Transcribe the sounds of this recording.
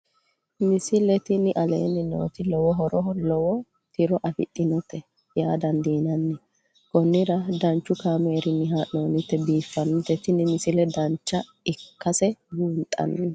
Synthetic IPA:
nɪsɪlɛt̪ɪnɪʔɐlḛːnːɪno̰ːt̪ɪlɔwɔɦɔɾɔɦɔlɔwɔ | t̪ɪɾɔʔɐfɪ̰t̪ʼːɪnɔt̪ːɛ | jaːd̪ɐnd̪iːnɐnːɛ | kɔnːɪɾɐd̪ɐnt͡ʃːʊkaːmeːɾɪnːɪɦaːʔnoːnɪt̪ːɛbiːfːɐnɪt̪ːɛt̪ɪnɪnɪsɪlɛd̪ɐnt͡ʃːɐ | ɪkːɐsɛɡuːnt̪ʼːɐ̰nːɛ

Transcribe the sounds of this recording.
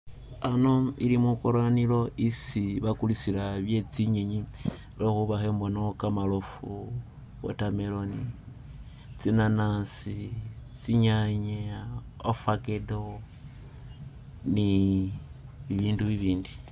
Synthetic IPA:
anoḭlimukoɾonilo̞ʔisiβakulisilaβje̞t͡siɲeɲi | loxuβaxeːmbonokamalofu | βo̰tameloni | t͡sinanasit͡siɲaɲe | ofakedo | ni | βiβiːnduβiβiːndi

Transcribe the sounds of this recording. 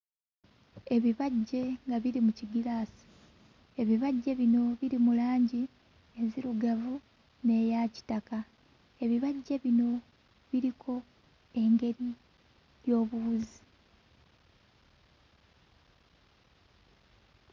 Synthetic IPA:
e̞βiβaɟːe̞ŋɡaβiɾimuciɡilaːsi̥ | e̞βiβaɟːe̞βino̞βiɾimulaːɲɟi | eziɾuɡavu | ne̞ːjaci̥taka | e̞βiβaɟːe̞βino̞ | βiɾikʰo̞ | e̞ŋɡe̞ɾi | jjo̞ːβuuzi

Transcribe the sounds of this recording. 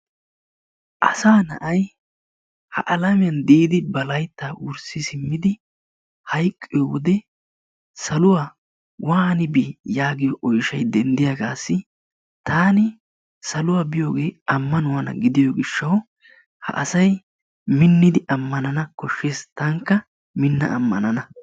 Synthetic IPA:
ʔɐ̰saːnɐʔɐj | hɐ̰ʔɐlɐmɪjɐnd̪iːd̪ɪbɐlɐjt̪ːaːʔʊɾsɪsɪmːɪd̪ɪ | hɐjkʼːɪjɔwɔd̪ɛ | sɐlʊwaː | waːnɪbijaːɡɪjɔʔɔjʃɐjd̪ɛnd̪ɪjɐɡaːsːɪ | t̪ʰaːnɪ | sɐlʊwaːbɪjo̞ːɡe̞ːɐmːɐnʊwɐnɐ̰ɡɪd̪ɪjɔɡɪʃːɐw | hɐ̰ʔɐsɐj | mɪnːɪd̪ɪʔɐmːɐnɐnɐkɔʃːeːst̪ɐŋkːɐ | mɪnːɐ̰ʔɐ̰mːɐnɐnɐ

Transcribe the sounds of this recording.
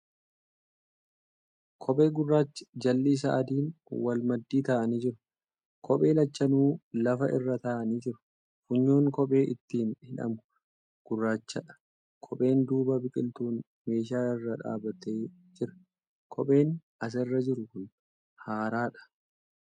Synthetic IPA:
kʰɔpʼe̞ːɡʊrːaːt͡ʃːɪ̥d͡ʒɐlːiːs̬ɐʔɐd̪iːnwɐlmɐd̪ːiːt̪aːʔɐniːd͡ʒɪɾʊ̥ | kʰɔpʼe̞ːlɐt͡ʃːɐnuːlɐfɐʔɪrːɐt̪aːʔɐniːd͡ʒɪɾʊ̥ | fʊɲːoːŋkɔpʼe̞ːʔɪt̪ːiːnhɪᶑɐ̰mʊ̥ | ɡ̥ʊrːaːt͡ʃːɐᶑɐ̥ | kʰɔpʼe̞ːnd̪uːbɐbɪkʼɪlt̪uːn | me̞ːʃ̬aːɪrːɐᶑa̰ːbɐt̪e̞ː | d͡ʒɪɾɐ̥ | kʰɔpʼe̞ːnʔɐs̬ɛrːɐd͡ʒɪɾʊkʊn | haːɾaːᶑɐ̥

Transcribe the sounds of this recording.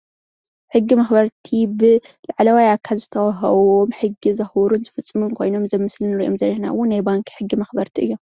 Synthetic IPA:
ħɨɡːimɐxbɐɾt̪ʰibɨ | laʕlɐwajʔakʰːalzɨt̪ʰɐwaɦɐ̰βomħɨɡːizɐxwɾunzɨfɨt͡sʼːɨmunkʰo̞̰jno̞mzɐmːɨslɨnɨɾiʔomzɐɾihna̰ʔɨ̰wːʊnːajbaŋkʰħɨɡːimɐxbɐɾt̪ʰiʔɨjːo̞m

